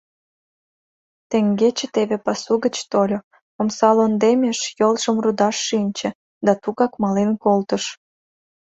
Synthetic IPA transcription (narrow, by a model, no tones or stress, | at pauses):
t̪ĕŋɡet͡ɕĕt̪eβepɑsuɣət͡ɕt̪olʲo | omsɑlond̪emʲeʃjolʒə̆mrud̪ɑʃːinʲt͡ɕĕ | d̪ɑt̪uɣɑkmɑlenkolt̪əʃ